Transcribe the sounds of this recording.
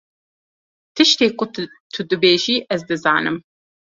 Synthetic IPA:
t̪ʰɨʃt̪eːkʷʼʊ | t̪ʰud̪ɨbeːʒiːʔɛzd̪ɨza̰ːnɨm

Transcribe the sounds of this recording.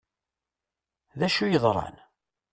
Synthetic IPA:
ðæʃujəðˤɾˤɑ̰n

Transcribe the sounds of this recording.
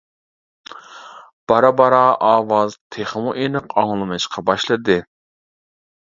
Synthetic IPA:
b̥ɑɾɑbɑɾɑʔɑːwɑzt̪ʰeχmuʔenɨqɑŋlˠɨmɨʃqʰɑbɑʃlˠɨd̪ɨ

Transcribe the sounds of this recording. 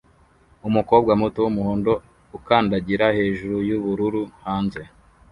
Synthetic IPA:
umuko̞bɡamutowumuhoːndo̞ | ukaːndaɟiɾahe̞ːʒuɾujuβuɾuɾuhaːnze̞

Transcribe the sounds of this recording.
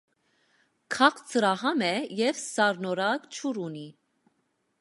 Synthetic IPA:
kʰɑχt͡səɾɑɦɑmɛjɛvsɑɾnɔɾɑɡt͡ʃʰuɾuni

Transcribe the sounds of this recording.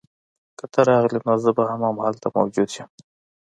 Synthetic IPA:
kət̪ʰəɾɑɣlinozəbahamamahalt̪amɐ̰wd͡ʒud̪ʃəm

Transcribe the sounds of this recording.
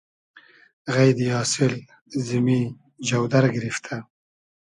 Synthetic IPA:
ɣajd̪jɑːsɪl | zɪmi | d͡ʒawd̪aɾɡɾift̪ʰa

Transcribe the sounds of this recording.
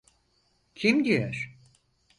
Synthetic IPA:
cʰimɟiæɾ̥

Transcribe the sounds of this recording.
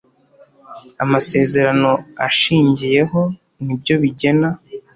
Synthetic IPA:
amase̞ːze̞ɾano̞aʃiːɲɟije̞ɦo̞ | nib̚ɟo̞βiɟe̞na

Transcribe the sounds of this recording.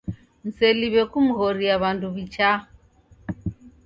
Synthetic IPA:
n̩sɛliβɛkumuɣɔɾiaβanduβit͡ʃa

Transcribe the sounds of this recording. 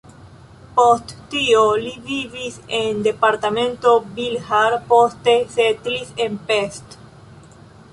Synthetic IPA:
post̪ːioliβiβisend̪epaɾt̪amẽnt̪obilhaɾpost̪eset̪lisempest̪

